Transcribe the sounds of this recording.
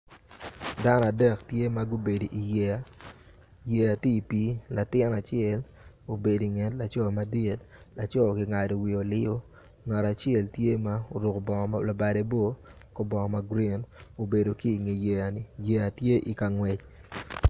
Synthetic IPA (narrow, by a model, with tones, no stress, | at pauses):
da˦na˨dɛ˦ktje˦ma˦ɡo˦be˨di˨ʔi˨jɛ˨a˨ | je˨a˨ti˦˨pi˦la˨tɪ˦na˨t͡ʃɛ˦˨l | o˨be˨di˨ŋɛ˨tla˨t͡ʃɔ˦˨ma˨di˦t | la˨t͡ʃɔ˦˨kɪ˨ŋa˨do˨wi˨o˨lɪ˦o˦ | ŋa˨ɾa˨t͡ʃɪɛ˦ltje˦ma˦o˨ɾʊ˨kbɔ˨ŋ˨la˨ba˨de˦bo˦ | kɔ˦bɔ˨ŋɔ˨ma˦ɡɾi˦no˨be˨do˨ki˦˨ŋe˨je˨a˨nɪ˨je˨a˨tje˦ʔi˨ka˨ŋwɛ˨t͡ʃ